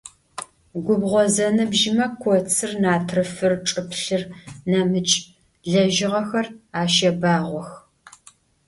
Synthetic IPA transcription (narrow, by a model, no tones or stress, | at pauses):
ɡʷʊbʁʷɔzɐnɨbʒɪmɐkʷʰɔt͡sʰɨrnaːtʰrɨfɨrʈ͡ʂʼɨpɬɨrnamɨt͡ʃʼ | ɮɐʒɪʁɐxɐraːʃɐbaːʁʷɔx